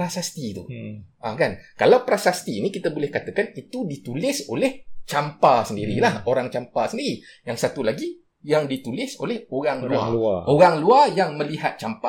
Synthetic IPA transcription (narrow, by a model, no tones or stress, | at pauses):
ɾasast̪it̪ṵ | akankalawpɾasast̪inikit̪abolɛhkat̪akanit̪udit̪ulɪsolɛht͡ʃampasəndiɾilahoɾaŋt͡ʃampasəndiɾijaŋsat̪ulaɡi | jaŋdit̪ulɪsolɛhoɾaŋlua̰aʔoɾaŋluarjaŋmə̃liɦat̪̚t͡ʃampa